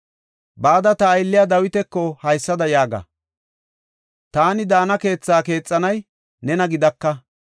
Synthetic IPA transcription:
baːd̪ɐt̪ɐːjlːɪjad̪ɐwɪt̪ɛkːɔhɐjsːɐd̪ɐjaːɡɐ̰ | t̪aːnɪd̪aːnɐke̞ːt͡sːaːke̞ːt͡sʼːɐnɐj | nɛnɐɡɪd̪ɐkːɐ

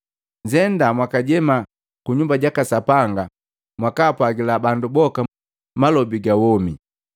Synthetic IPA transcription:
ɲd͡ʒɛndamwakaɟɛma | kuɲumbaɟakasapaŋɡa | mwakaːpwaɡilabandubɔka | malɔbiɡawɔmi

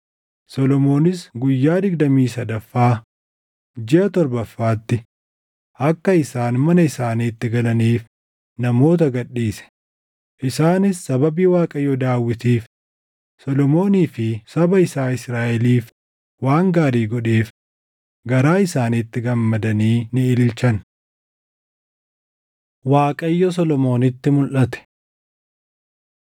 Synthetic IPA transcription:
sɔlɔmo̞ːnɪsɡʊjːaːd̪ɪɡd̪ɐmiːsɐd̪ɐfːaː | d͡ʒɪʔɐt̪ɔɾbɐfːaːt̪ːɪ | ʔɐkːɐɪsaːnmɐnɐɪsaːnit̪ːɪɡɐlɐniːf | nɐmo̞ːt̪̬ɐɡɐɗːiːsɛ̥ | ʔɪsaːnɪsːɐbɐbiːwaːkʼɐjɔd̪aːwːɪt̪iːf | sɔlɔmo̞ːniːfɪsɐbɐɪsaːɪsɾaːʔɛliːf | waːŋɡaːɾiːɡɔᶑeːf | ɡɐɾaːɪsaːnit̪ːɪɡɐmːɐd̪ɐniːnɪɪlɪlt͡ʃɐn | waːkʼɐjːɔs̬ɔlɔmo̞ːnɪt̪ːɪmʊlʔɐt̪ɛ̥

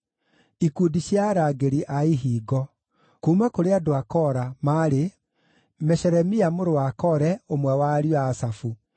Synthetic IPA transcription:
ikudiɕjaɾaːɡeɾiʔaiɦiːɡɔ | kumakoɾeadoakɔɾamaːɾe | mɛɕɛɾɛmiamoɾowakɔɾɛomwɛwaːɾjaːsafu

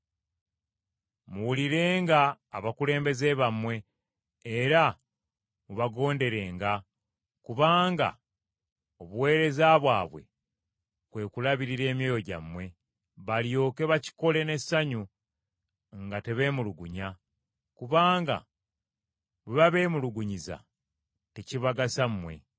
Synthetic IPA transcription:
muwuliɾe̞ːŋɡaːβakule̞ːmbe̞ze̞βamwe̞ː | ɾa | muβaɡo̞ːnde̞ɾe̞ːŋɡa | kuβaːŋɡa̰ | o̞βuwe̞ːɾe̞zaβwaːβwe̞̰ | kwe̞ːkulaβiɾiɾe̞ːmje̞ːjo̞ɟa̰mwe̞ | βaljo̞ːke̞βaci̥ko̞le̞ne̞saɲu | ŋɡate̞βe̞ːmuluɡuɲa | kuβaːŋɡa̰ | βeβaβe̞ːmuluɡuɲiza̰ | teciβaɡasamːwe̞̰

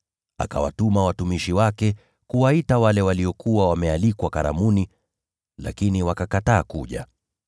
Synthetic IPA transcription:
a̰ka̰wa̰tumawatumiʃiwakɛ | kuwaitawalɛwaliɔkuwawamɛalikwakaɾa̰muni | la̰kiniwakakataːkuʄa̰

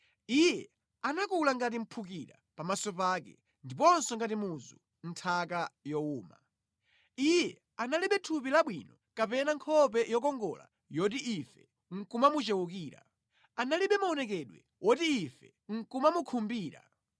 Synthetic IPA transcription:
ijɛ | anakulaŋɡat̬im̩pʰukiɾa̰ | pamasɔpaːkɛ̰ | ndipɔnsɔŋɡatimuzu | n̩tʰakajɔuːma̰ | ijɛ | analiɓɛtʰupilaɓwinɔ | kapɛnaŋkʰɔp̬ɛjɔk̬ɔŋɡɔ̰la̰ | jɔt̬iʔifɛ̥ | ŋ̩kumamut͡ʃɛwukiːɾa̰ | analiɓɛmaɔnɛkɛɗwɛ | wʔɔtiːfɛ | ŋ̩kumamukʰumbiːɾa̰

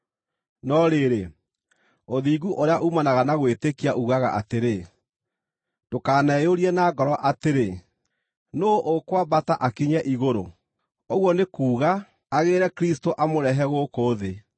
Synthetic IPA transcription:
nɔɾeɾe | oðiːɡuʔoɾeaʔumanaɣanaɣwetekiaʔuɣaɣa̰ʔa̰teɾe | d̥okaːnɛjoɾiɛnaɡɔɾɔʔateɾe | noʔokwabataʔakiɲɛʔiɣoɾo | oɣwɔnekuːɣaː | ɣeːɾɛkɾistoʔamoɾɛɦɛɣokoːðe

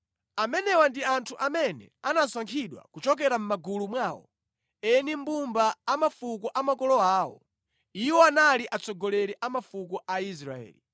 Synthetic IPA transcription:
amɛnɛwandiantʰuʔamɛnɛ̰anaswaŋkʰiɗwa̰kut͡ʃɔk̬ɛɾam̩maɡulumwaːwɔ̰ | ɛnimbumbaːmafukɔʔamakɔlɔaːwɔ̰ | iwɔanaliʔat͡sɔɡɔlɛɾɛʔamafukɔʔais̬ɾa̰ɛ̰ːli

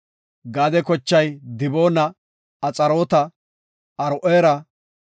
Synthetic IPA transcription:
ɡaːd̪ɛkɔt͡ʃːɐjd̪ɪbo̞ːnɐː | t͡sʼɐɾo̞ːt̪ɐ | ɐɾʊʔeːɾɐ

